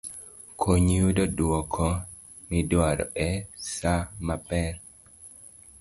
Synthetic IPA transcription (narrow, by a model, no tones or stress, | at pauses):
kʰoɲudɔdɔkʰɔ | midaɾɔ̰ɛsamapɛɾ